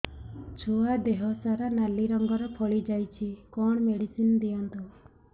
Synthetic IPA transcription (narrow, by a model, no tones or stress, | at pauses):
t͡ʃʰoad̪eɦɔsaɾanaliɾɔŋɡɔɾɔpʰɔɭid͡ʒajt͡ʃʰikɔɳ̃ɔmeɽisinɔd̪ijɔnt̪u